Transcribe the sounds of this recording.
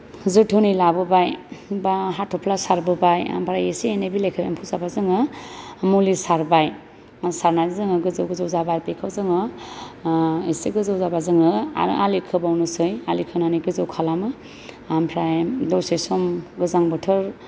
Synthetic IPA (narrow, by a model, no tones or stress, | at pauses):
zɯtʰɯnilabɯbajbaɦatʰɔpʰlasaɾbɯbaja̰mpʰɾajesienebilekʰɯempʰuzabazɯŋɯmulisaɾbaj | saɾnajzɯŋɯɡɯzɯwɡɯzɯwzabaɾpekʰɯzɯŋɯ | esiɡɯzɯwzabazɯŋɯa̰ɾ̰ʔalikʰɯbawnɯsɯjalikʰɯnaniɡɯzɯwkʰalamɯ | ampʰɾajdosesɔmɡɯzaŋbɯtʰɯɾ